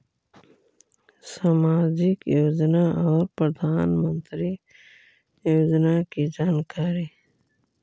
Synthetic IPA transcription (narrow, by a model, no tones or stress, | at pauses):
saːmaːd͡ʒɪkjoːd͡ʒnaɔːɾpɾəd̪ʱaːnmə̃nt̪ɾi | joːd͡ʒnakid͡ʒaːnkʰaːɾi